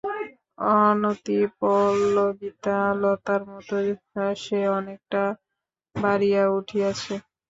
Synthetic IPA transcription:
ɔnot̪ipɔlːoɡit̪alɔt̪aɾmɔt̪o | ʃeɔnek̚ʈa | baɾijauʈʰiat͡ɕʰe

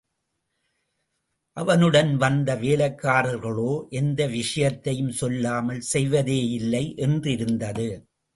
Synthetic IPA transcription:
ʔɐʋɐnɯɽɐnʋɐnd̪ɐʋeːlɐɪkːaːɾɐɾɣɐɭoːʔɛnd̪ɐʋɪʂɐjɐt̪ːɐjɯmsɔlːaːmɐlsɛjʋɐðeːɪlːɐɪʔɛndrɪɾɯnd̪ɐðɯ

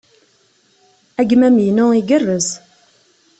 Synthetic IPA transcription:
æɡmæmijnʊiɡərːəz

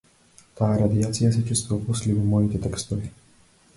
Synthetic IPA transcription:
t̪aːɾad̪iat͡sijas̬ɛt͡ʃist̪ɔɔpuslʲivimɔjit̪ɛt̪ɛkst̪ɔvi

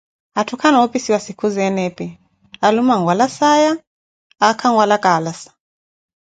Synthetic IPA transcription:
atʰukʰanaɔpisiwasikuzɛnɛpi | alumaŋɡwalasajaː | kʰaŋɡwalakalasḁ

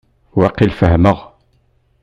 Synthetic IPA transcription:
wɑqilfəhməʁ

